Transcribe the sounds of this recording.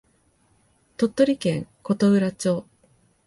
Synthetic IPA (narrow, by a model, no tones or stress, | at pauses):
t̪o̞t̪ːo̞ɾʲikẽ̞ŋko̞t̪oɯ̟ɾat͡ɕo̞ː